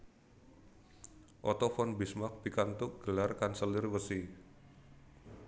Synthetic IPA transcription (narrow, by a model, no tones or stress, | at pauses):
ʔɔt̪ɔfɔnbismak̚pikant̪ʊʔ̚ɡ̥əlarkansəlɪrwəsi